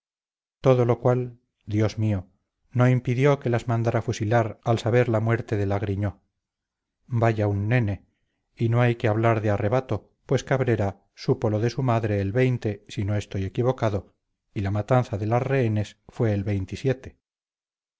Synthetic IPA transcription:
t̪o̞ðo̞lo̞kwal | d̪jo̞zmio | no̞impiðjo̞ke̞lazmãnd̪aɾafusilaɾalsaβe̞ɾlamwe̞ɾt̪e̞ðe̞laɣɾiɲo̞ | baʝaunːe̞ne | ino̞ajkeaβ̞laɾðeare̞βat̪o̞ | pwe̞skaβɾe̞ɾa | supo̞lo̞ðe̞sumaðɾe̞ːlβe̞jnt̪e̞sino̞e̞st̪o̞je̞kiβo̞kaðo̞ | ilamat̪an̟θaðe̞lasre̞ene̞sfwe̞ːlβe̞jnt̪isje̞t̪e̞̥

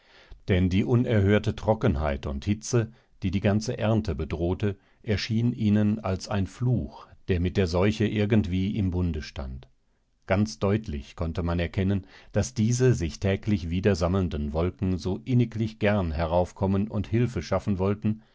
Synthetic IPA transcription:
d̥ɛndiːʔʊnɛɐɦøːɐtətʁ̥ɔkənɦa̰ɪtʊnthɪt͡sə | d̥iːdiːɡant͡səʔɛɐntəbədʁoːtə | ʔɛɐʃiːənʔiːnənalsaɪnfluːxd̥eːɐmɪt̚d̥eːɐzɔʏçəʔɪɐɡntv̥iːʔɪmbʊndəʃta̰nt | ɡ̥ant͡sd̥ɔʏtʰlɪ̰çkʰɔntəmanɛɐkʰɛnənd̥asd̥iːzəzɪçtʰɛːklɪçv̥iːdɐzaml̩ndənvɔlkŋ̩zoːʔɪnɪklɪçɡ̥ɛɐnɦɛɐʁaʊfkʰɔmənʊnthɪlfəʃafn̩vɔltn̩

